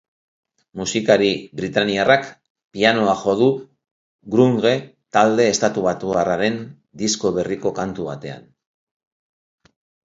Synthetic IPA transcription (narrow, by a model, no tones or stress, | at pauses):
musikaɾiβɾit̪aniarak | piano̞axo̞ð̞u | ɡɾuŋɣe̞ | t̪ald̪e̞ːst̪at̪uβat̪uaraɾe̞n | d̪isko̞βe̞riko̞kant̪uβat̪e̞a̰n